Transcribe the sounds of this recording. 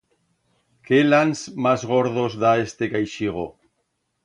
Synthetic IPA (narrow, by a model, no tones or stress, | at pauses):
kelansmazɣoɾð̞ozðaest̪ekajʃiɣ̞o